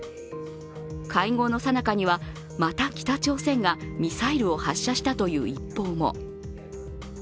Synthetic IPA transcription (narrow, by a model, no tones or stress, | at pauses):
kʰaiŋo̞ːno̞sanakaɲ̟iβa | mat̪akʲi̥t̪at͡ɕo̞ːsẽ̞ŋɡamʲisaiɾɯ̟o̞haɕːaɕi̥t̪at̪o̞jɯ̟̰ːipːo̞ːmo̞̰